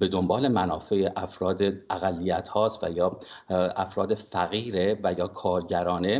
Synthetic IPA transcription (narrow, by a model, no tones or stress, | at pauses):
be̞d̪o̞mbɒːle̞mænɒːfejeʔæfɾɒːd̪eʔæɣælːijæt̪hɒːst̪væ̰jɒː | æfɾɒːd̪efæɣiːɾevæjɒːkʰɒːɾɟæɾɒːne̞